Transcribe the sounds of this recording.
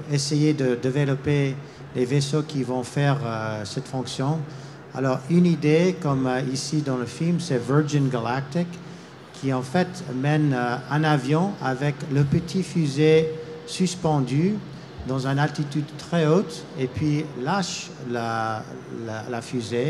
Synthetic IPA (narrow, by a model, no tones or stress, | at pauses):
esejed̪əd̪evelɔpe | levesokivɔ̃fɛʁəsɛt̪fɔ̃ksjɔ̃ | a̰lɔʁynid̪ekɔmisid̪ɑ̃ləfilmsɛvə˞d͡ʒinɡalak̚t̪ɪkʰː | iɑ̃fɛt̪mɛnɛ̃navjɔ̃avɛkləpət̪ʰifyzesyspɑ̃d̪y | d̪ɑ̃zɛ̃nalt̪it̪yd̪t̪χɛot̪ | epʰɥilaʃ | la | lalafyze